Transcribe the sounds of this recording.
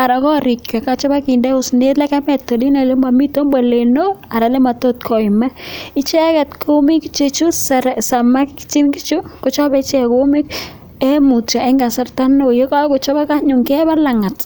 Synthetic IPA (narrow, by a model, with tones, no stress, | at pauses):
a˨ɾa˨kɔ˦ɾɪ˨kja˨ka˦t͡ʃɔ˦ba˦ki˨ndɛ˦ʊ˨sne˦tla˦kɛ˦mɛ˨to˨li˦na˨le˦ma˨mi˦to˦mba˨le˨no˦a˨ɾa˨le˦ma˨to˦t̚kʰɔ˨i˨mɛ˦ɪ˦t͡ʃɛ˦kɛ˨tkʰo˦mi˦kt͡ʃe˦t͡ʃu˦ssa˨ma˦kt͡ʃi˦nki˦t͡ʃu˦ko˦t͡ʃɔ˦bɛ˦t͡ʃɛ˦ko˦mɪ˦k | ɛ˦mu˨ta˨ɛ˦ŋɡa˨sa˦rta˦no˨je˦ka˦ko˨t͡ʃɔ˦ba˦ka˦ɲʊ˨ŋkɛ˦βa˦la˨ŋa˨t